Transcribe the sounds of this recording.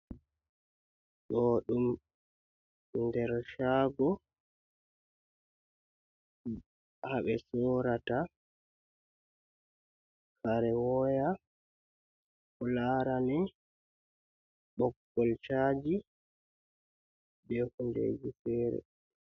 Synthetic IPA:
ɡɔɗum | ndɛɾʃaːɡɔ | haɓɛsɔːɾata | kaɾɛwɔja | kɔlaɾanɛ | ɓɔɡːɔlt͡ʃad͡ʒi | dɛhundḛːd͡ʒifɛːɾɛ̰

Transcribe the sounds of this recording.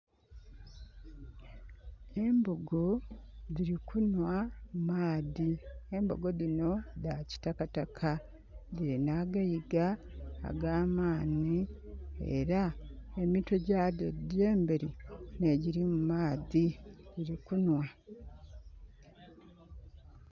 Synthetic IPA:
e̞mboɡo̞ðiɾikunwamumaːðie̞mbo̞̰ɡo̞ðino̞ðaci̥takatakʰa | diɾinaɡajiɡa̰ːɡaːmaːniḛɾae̞mito̞ɟadde̞ːmbeɾine̞ɟiɾimumaːðidiɾikunwa

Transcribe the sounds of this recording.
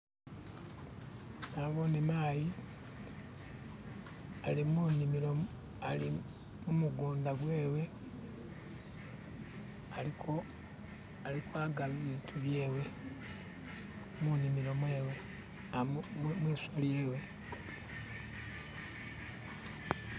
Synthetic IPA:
naβonimaːji | alimunimilo | ali | mumuɡoːndaβwe̞ːwe̞ | alio | alikwaːɡaβiβiːtʰuβjeːwe̞ | munimilo̞mwe̞ːwe | mwiːsolje̞ːwe̞

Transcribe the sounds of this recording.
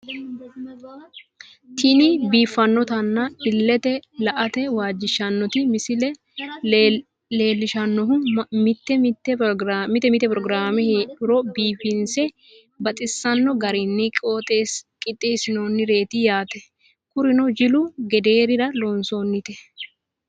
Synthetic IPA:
t̪ʰɪnɪbiːfːɐnːɔt̪ɐnːɐbɪlːɛt̪ɛlɐʔɐt̪ɛwaːd͡ʒːɪʃɐnːɔt̪ɪmɪsɪlɛ | le̞ːlːɪʃɐnːɔɦʊmɪt̪ːɛmɪt̪ːɛɾmɪt̪ːɛmɪt̪ːɛpɾɔɡɾaːmɛhᶑʊɾɔbiːfɪnsɛ | bɐt̪ʼɪsːɐnːɔɡɐɾɪnːɪkʼoːt̪ʼeːskʼɪt̪ʼːɪsɪnoːnːɪɾe̞ːt̪ɪjaːt̪ɛ | kʊɾɪnɔd͡ʒɪlʊɡɛd̪e̞ːɾɪɾɐlonsoːnːɪt̪ɛ

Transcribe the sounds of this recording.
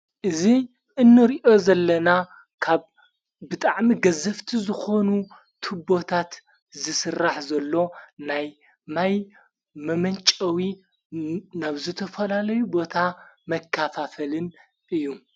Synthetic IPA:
ʔɨzi | ʔɨnːɨɾiʔo̞zɐlːɐna | kʰaβ | bɨt̪ʼaʕmiɡɐzɐft̪ʰizɨxo̞nu | t̪ʰɨbo̞t̪ʰat̪ | zɨsɨrːaħzɐlːo̞naj | maj | mɐmɐnt͡ʃʼɐwi | naβzɨt̪ʰɐfɐlalɐjubo̞t̪ʰamɐkʰːafafɐlɨn | ʔɨjːu

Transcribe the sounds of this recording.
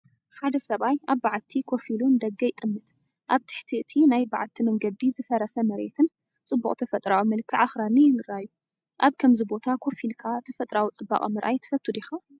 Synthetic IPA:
ħad̪ɐsɐβajaβːaʕat̪ʰːikʰo̞filund̪ɐɡːɐjɪt̪ʼɨmːɨt̪ | ʔaβt̪ʰɨ̥ħt̪ʰiɨt̪ʰinajbaʕat̪ʰimɐŋɡɐd̪ːizɨfɐɾɐsɐmɐɾḛt̪ʰɨn | t͡sʼɨbːukʼt̪ʰɐfɐt̪ʼɾawimɨlkʰːɨʕaxɾanːijɪnɨɾajːu | ʔaβkʰɐmzibo̞t̪ʰakʰo̞filkʰat̪ʰɐfɐt̪ʼɾawit͡sʼɨbːa̰χʼɐmɨɾʔa̰jt̪ʰɨ̥fɐt̪ʰːud̪ixa

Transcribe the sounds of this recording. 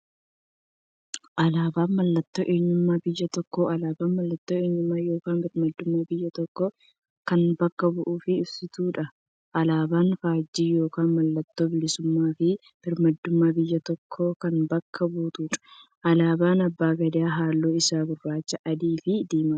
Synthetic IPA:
ʔɐlaːbaːnmɐlːɐt̪ːo̞ːʔe̞ːɲːʊmːaːbɪjːɐt̪ɔkːoɐlaːbaːnmɐlːɐt̪ːoːeːɲːʊmːaːjo̞ːkaːnbɪɾmɐd̪ːʊmːaːbɪjːɐt̪ɔkːɔ | kɐnbɐkːɐbʊʔuːfɪɪbsɪt̪uːᶑɐ | ʔɐlaːbaːnfaːd͡ʒːiːjo̞ːkaːnmɐlːɐt̪ːo̞ːbɪlɪsʊmːaːfɪ | b̥ɪɾmɐd̪ːʊmːaːbɪjːɐt̪ɔkʰːoːkɐnbɐkʰːɐbuːt̪uːᶑɐ̥ | ʔɐlaːbaːnɐbːaːɡɐd̪ɪaːɦaːlːoːɪsaːbʊrːaːt͡ʃːɐʔɐd̪iːfɪd̪eːmɐ

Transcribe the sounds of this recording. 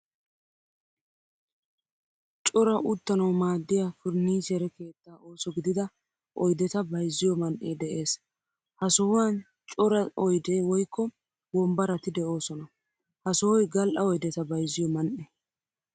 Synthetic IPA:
t͡ʃʼɔɾɐʔʊt̪ːɐnɐwmaːd̪ːɪjafʊɾniːʃɛɾɛke̞ːt̪ːaːo̞ːsɔɡɪd̪ɪd̪ɐ | ʔɔjd̪ɛt̪ɐbɐjzːɪjɔmɐnʔeːd̪ɛʔe̞ːs | hɐsɔhɔwan | t͡ʃʼɔɾɐɔjd̪eːwɔjkːɔ | wɔmbɐɾɐt̪ɪd̪ɛʔo̞ːsɔnɐ | hɐsɔwɔjɡɐlʔɐɔjd̪ɛt̪ɐbɐjzːɪjɔmɐnʔɛ

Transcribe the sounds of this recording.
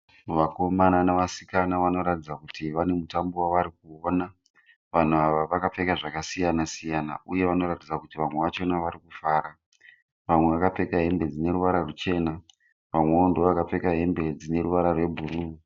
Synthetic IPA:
ʋako̞mananaʋasikanaʋano̞ɾatid͡zakutʰiʋane̞mutambowaʋaɾik̚uona | ʋan̤uaʋaʋakap͡fe̞kaʐakasijanasijana̰uje̞ʋano̞ɾatid͡zakutiʋamwe̞ʋat͡ʃo̞naʋaɾikufaːɾa | ʋamwe̞ʋakape̞kaɦe̞mbe̞d͡zine̞ɾuʋaɾarut͡ʃe̞ːna | ʋamweondoʋakap͡fe̞kaɦe̞mbe̞d͡zine̞ɾuʋaɾarwe̞bʱuruː

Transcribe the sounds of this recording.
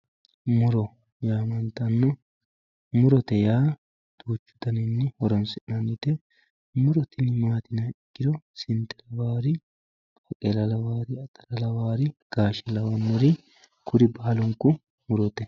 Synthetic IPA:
mʊɾɔ | jaːmɐnt̪ɐnːɔ | mʊɾɔt̪ɛjaː | d̪̥uːt͡ʃːʊ̥d̪ɐnɪnːɪhɔɾɔnsɪʔnɐnɪt̪ɛ | mʊɾɔt̪ɪnɪmaːt̪ɪnɐːɪɡːɪd̪ɔsɪnt̪ɛlɐwaːɾɪ | ɐkʼɛlɐlɐwaːɾɪɐt̪ʼɐlɐlɐwaːɾɪɡ̥aːʃɛlɐwɐmʊɾɪ | kʰʊɾɪbaːlɔŋkːʊ | mʊɾɔt̪ɛ

